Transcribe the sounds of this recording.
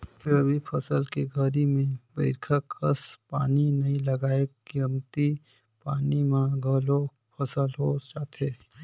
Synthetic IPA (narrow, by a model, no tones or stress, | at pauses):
fʰɪɾəbʱipʰɐsəlkeɡʱəɾimẽbɐɪkʰəkːəspaːninɐĩlɐɡaːekəmt̪i | paːnimãɡʱəlo | pʰɐsəlɦot͡ʃaːt̪ʰeː